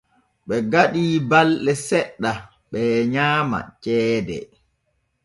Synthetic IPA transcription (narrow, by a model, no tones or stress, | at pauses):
ɓɛɡaɗiːbalɗɛsɛɗːa | ɓɛɲaːma̰t͡ʃɛːdɛ̰